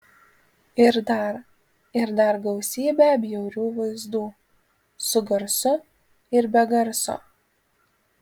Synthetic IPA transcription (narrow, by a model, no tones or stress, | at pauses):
ɪɾd̪ɐɾ | ɪɾd̪ɐɾɡɐʊsʲiːbʲæˑbʲjɛʊɾʲuːʋɐɪzd̪uː | sʊɡɐɾsʊ | ɪɾbʲɛɡɐɾso̰ː